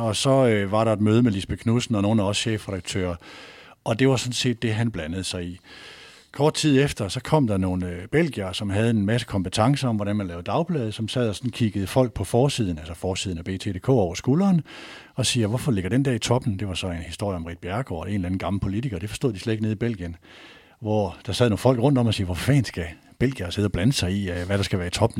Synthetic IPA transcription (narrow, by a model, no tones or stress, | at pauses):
ɒ̽sɒ̽øʋɑ̈ɾɑ̈e̝d̥møːð̞ˠmelisb̥ekʰnusn̩ɒ̽no̝ːn̩æɒ̽sɕḛːfʁɛɾɑɡ̥̚t͡sʰø̰ːɐ | ʔɒ̽d̥e̝ʋɑ̈sɒ̽nse̝̰ːd̥̚ːe̝ɦænb̥lænəð̩ˠsɑ̈ɪḭ | kʰɒːd̥̚t͡sʰið̰ˠefd̥ɐsɒ̽kʰɒ̽m̰d̥ɑ̈no̝ːnøb̥el̰ɡ̥iɐsɒ̽mɦæð̞ˠe̝nmæsə̥kʰɒmb̥et͡sʰɑ̈ŋsəɒ̽mʋɒdɾænmænlɛːʊd̥ɑ̈ʊb̥lɛːð̞̩ˠəsɒ̽msɛð̞̰ˠɒsɒ̽n̩kʰiɡ̥əð̞̩ˠəfɒ̽l̰ɡ̥̚pʰɒ̽fɒːsið̞̰ˠn̩ælsɐfɒːsiðˠnæb̥e̝̰ːt͡sʰe̝ːd̥e̝kʰo̰ːɒʊɐsɡ̥uːlɐːn | ɒ̽siːʋɒfɒ̽le̝ɡ̥ɐd̥end̥ɛɐit͡sʰɒ̽b̥n̩d̥e̝ʋɑ̈sɒ̽e̝nhisd̥o̝ɐ̰jəɒ̽mʁḭd̥̚b̥jæɐɡ̥o̰ɒe̝nlæn̩ɡ̥ɑ̈ml̩pʰo̝lit͡sʰiɡ̥ɐːd̥e̝fɒsd̥o̝ð̥ˠisled̥eɡ̥neðˠib̥el̰ɡ̥iən | ʋɒd̥ɑ̈sɛð̰ˠno̝ːn̩fɒ̽l̰ɡ̥ʁɔ̽n̰d̥ɒ̽mɒsiːʋɒffɛ̰ːnsɡ̥æ | b̥el̰ɡ̥iɐːse̝ð̞̩ˠɒb̥lænəsɑ̈ɪiʋæɾ̥ɑ̈sɡ̥æʋæːɐit͡sʰɒ̽b̥n̩